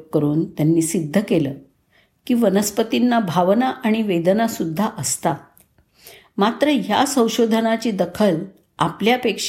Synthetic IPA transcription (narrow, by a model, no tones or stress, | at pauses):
kːəɾuːnt̪janːiːsid̪ʱːəkeləː | kiːʋənəspət̪inːabʱaʋnaʔaɽ̃iʋed̪ənasud̪ʱːaʔəst̪a | mat̪ɾəjasə̃w̃ɕod̪ʱənat͡ɕiːd̪əkʰəl | apljapekʂ